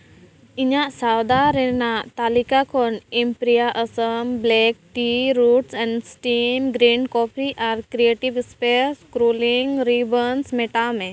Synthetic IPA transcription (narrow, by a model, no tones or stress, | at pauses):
iɲãʔsawd̪aɾenaʔt̪aːlikakʰɔnimpɾijaʔəsəmblɛːk̚ʈiɾuʈsɛ̃ɳɖsʈimɡɾiːnkɔːpʰiʔaɾkɾieːʈiʋspeskɾoːliŋɡɾibənsmeʈamẽ